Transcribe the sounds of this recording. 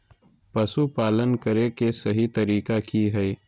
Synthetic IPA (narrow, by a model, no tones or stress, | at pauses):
pɐsupaːlənkəɾekesɐɦit̪ɐɾiːkakiɦɛi